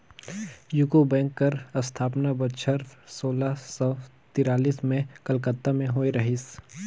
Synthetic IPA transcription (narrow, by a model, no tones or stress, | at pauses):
jʊkobɛ̃ːŋkːɐɾɐst̪ʰaːpnabɐtʃʰəɾsoːlasɔː | t̪ɪɾaːliːsmẽkɐlkət̪ːamẽɦoːiɾɐɦiːs